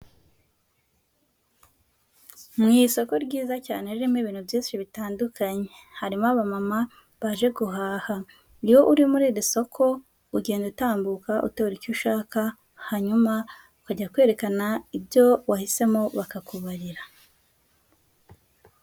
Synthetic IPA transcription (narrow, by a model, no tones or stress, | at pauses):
mŋiːso̞ko̞ɾɟiːzaca̰ːne̞ɾiɾimiβiːnhuvjiːnʃiβitaːndukʰaɲe̞ | haɾimaβamama | βaʒe̞ɡuɦaːha | ɾiwo̞ʔuɾimuɾiːɾiso̞kʰo̞ | uɟe̞ːndutaːmbukaʔṵtoɾicuʃaːka | haɲuma | ukaɟakwe̞ːɾe̞kanaibjo̞wahise̞mo̞βakakuβaɾiɾa